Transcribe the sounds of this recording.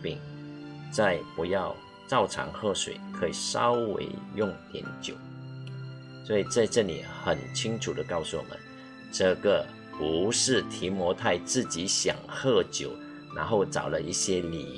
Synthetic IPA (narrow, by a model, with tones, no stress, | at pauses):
pi˥˩ŋt͡sa˥˩ɪpu˧˥jɑ˥˧ʊ | t͡sɑ˥˩ʊʈ͡ʂʰɑ̰˧˥˦ŋxɤ˥˩ʂwḛ˨˩ɪkʰə˧˦˥i˨˩ʂɑ̰˥ʊwḛ˧˥ɪjʊ˥˩ŋt̪jɛ̰˧˥nt͡ɕjo˨˩˦ʊ | swɔ˧˥i˨˩t͡sa˥˧ɪʈ͡ʂə˥˩nlḭ˨˩xə˨˩nt͡ɕʰi˥ŋʈ͡ʂʰu˨˩d̪ə˦kɑ˥˧ʊsu˥˩wɔ̰˨˩mə̰˦n | ʈ͡ʂɤ˥˩ɡə˨ | pu˨˧˦ʂɻ̩˥˩t̪ʰi˧˥mwɔ˧˥t̪ʰa˥˧ɪt͡sɹ̩˥˩t͡ɕi˧˥˦ɕjɑ̰˨˩ŋxɤ˥˩t͡ɕjo˨˩˦ʊ | na̰˧˥nxo˥˩ʊt͡sɑ̰˨˩ʊlə˦ʔi˥˩ɕjɛ˥lḭ˨˩